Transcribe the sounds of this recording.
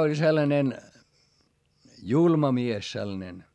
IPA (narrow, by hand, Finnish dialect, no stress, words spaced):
olʲ selːɑnen julmɑ mies selːɑ̆nen